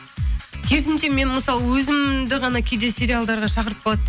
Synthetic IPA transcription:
kʲʰe̞ɾɪsɪnʃe̞me̞nməsɑlˠəwɵzɪmd̪ɪʁɑnɑkʲʰed̪e̞sʲe̞ɾijalˠd̪ɑɾʁɑʃɑqəɾəp̚bolˠɑd̪

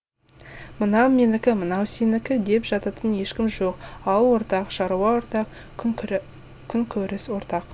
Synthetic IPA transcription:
mənɑmʲenɪkʲɪmənɑwsenɪkʲɪd̪e̞pʒɑt̪ɑt̪ənje̞ʃkʲɪmʒo̞qɑlˠwo̞ɾt̪ɑqʃɑɾuwɑwoɾt̪ɑq | kʲʰʏŋkʲʰɵɾɪswo̞ɾt̪ɑq

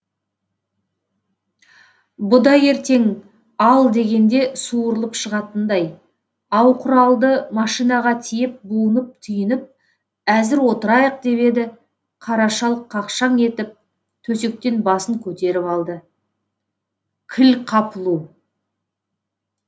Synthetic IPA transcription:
bʊd̪ɑje̞ɾt̪e̞ŋ | ɑlˠd̪e̞ɡʲe̞nd̪e̞suəɾəlˠəpʃəʁɑt̪ənd̪ɑj | ɑwqʰʊɾɑlˠd̪əmɑʃijnɑʁɑt̪ʰijɪp̚buənəp̚t̪ʰʏjɪnɪp̚ | æzɪɾwo̞t̪əɾɑjəq̚d̪e̞pe̞d̪ɪ | qʰɑɾɑʃɑlˠqʰːɑqʃɑŋe̞t̪ɪp̚ | t̪ʰɵse̞k̚t̪e̞nbɑsəŋkʲʰɵt̪e̞ɾɪpɑlˠd̪ə | kʲʰɪlqʰɑpəlˠu

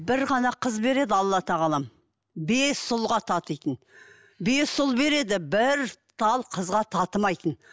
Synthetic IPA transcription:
bɪɾʁɑnɑqʰəzbe̞ɾe̞d̪ɪɑlˠːɑt̪ʰɑʁɑlˠɑm | besʊlˠʁɑt̪ʰɑt̪əjt̪ən | be̞ssʊlˠbe̞ɾe̞d̪ɪbɪɾt̪ʰɑlˠqʰəzʁɑt̪ʰɑt̪əmɑjt̪ən

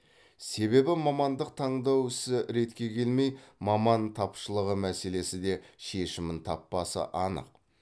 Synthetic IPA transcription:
se̞βe̞bɪmɑmɑnd̪əq̚t̪ʰɑɴd̪ɑwɪsɪɾe̞t̪kʲe̞kʲʰe̞lme̞jmɑmɑnt̪ʰɑpʃəlˠəʁəmæse̞le̞sɪd̪e̞ʃe̞ʃɪmɪnt̪ʰɑpːɑsə̰ʔɑnə̰q̚

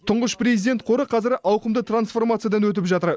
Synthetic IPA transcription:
t̪ʰʊɴʁəʃprezid̪e̞nt̪̚qʰo̞ɾəqʰɑzɪɾʔɑwqəmd̪ət̪ransfo̞rmat̪sɨjad̪ɑnwɵt̪̬ɪpʒɑt̪əɾ

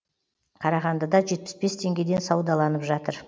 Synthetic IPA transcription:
qʰɑɾɑʁɑnd̪əd̪ɑʒe̞t̪̚pɪ̥sbe̞st̪ʰe̞ŋɡʲe̞d̪e̞nsɑwd̪ɑlˠɑnəpʒɑt̪əɾ

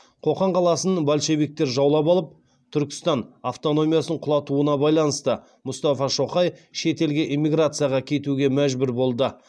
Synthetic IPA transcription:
qʰo̞qɑɴqʰɑlˠɑsənəbalʃe̞bik̚t̪e̞ɾʒɑwlˠɑpɑlˠəp̚ | t̪ʰʏɾkʲɪ̥st̪ɑnaft̪o̞no̞mʲijasəɴqʰʊlˠɑt̪uənɑbɑjlˠɑnəst̪ə | mʊst̪ɑfɑʃo̞χɑjʃe̞t̪e̞lɡʲe̞ʔimʲːiɡɾat̪sɨjaʁɑkʲʰe̞t̪uɡʲe̞mæʒbɪɾbo̞lˠd̪ə

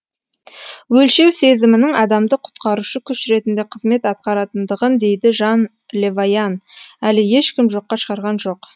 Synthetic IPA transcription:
wɵlʃe̞wse̞zɪmɪnɪŋɑd̪ɑmd̪əqʰʊ̥t̪qɑɾuʃəkʲʰʏʃɾe̞t̪ɪnd̪e̞qʰəzme̞t̪ɑt̪̚qɑɾɑt̪ənd̪əʁənd̪e̞jd̪ɪʒɑn | lʲe̞vajɑnælɪje̞ʃkʲɪmʒo̞qːɑʃəʁɑɾʁɑnʒo̞q

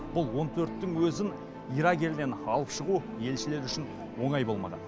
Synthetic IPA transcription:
b̥ʊlˠwo̞nt̪ʰɵɾt̪ːɪŋwɵzɪn | ijɾɑɡʲe̞lɪne̞nɑlˠəpʃəʁu | je̞lʃɪle̞ɾʏʃɪn | wo̞ɴɑjbo̞lˠmɑ̰ʁɑ̰n

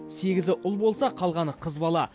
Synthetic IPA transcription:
se̞ɡʲɪzɪʔʊlˠbo̞lˠsɑqʰɑlˠʁɑɴqʰəzbɑlˠɑ

